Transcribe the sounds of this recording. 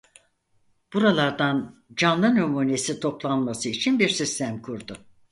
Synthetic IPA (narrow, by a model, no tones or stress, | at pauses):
b̥uɾalˠaɾd̪and͡ʒanlˠɯnømuːne̞sit̪ʰo̞plˠanmasɯit͡ʃʰinbiɾsist̪ʰæmkʰuɾd̪ʊ